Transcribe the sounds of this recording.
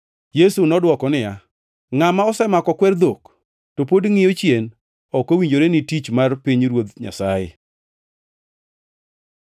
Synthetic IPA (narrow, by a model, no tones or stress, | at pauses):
jesunɔdwɔkɔnɪja | ŋamaɔsɛmakɔkwɛrd̪ok | topodŋɪjot͡ʃjen | ɔkowiɲd͡ʒoɾenɪtit͡ʃmarpiɲɾwod̪ɲa̰sajɪ̰